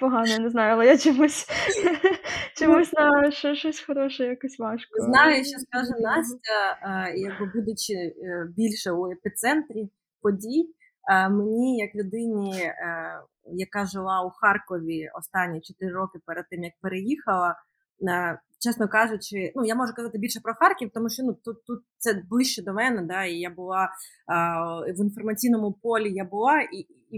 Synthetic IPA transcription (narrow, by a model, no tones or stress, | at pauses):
pɔɦɑnɔnɛznɑjʊɐlˠɛjat͡ʃɔmusʲ | t͡ʃɔmusʲnaʃɔʃɔsʲxɔɾɔʃɛjakɔsʲʋɑʃkznɑjʊjʃt͡ʃːɔskaʒɛnɑsʲtʲɐjɐɡ̚bɨbud̪ʊt͡ʃɪbʲilʲʃɛuepʲit̪sɛnt̪ɾʲi | pɔdʲij | menʲijɐklʲʊd̪ɪnʲi | jɐkɑʒɪlˠɑʊxɑrkɔʋʲiɔ̰st̪ɑnʲːit͡ʃɔt̪ɪɾɪɾɔkɪpɛɾɛd̪̚t̪ɪmjɐk̚peɾejixɐlˠɐ | t͡ʃɛsnɔkɑʒʊt͡ʃɪnujamɔʒʊkɐzɑt̪ɪbʲilʲʃɛpɾɔxɑrkʲiwt̪ɔmuʃt͡ʃɔnut̪ut̪ːut̪̚t̪sɛblˠɪʃt͡ʃɛd̪ɔmɛnɛd̪ɑijabʊlˠɑ | ʋinfɔrmɐt͡sʲijnɔmʊpɔlʲijabʊlˠɑi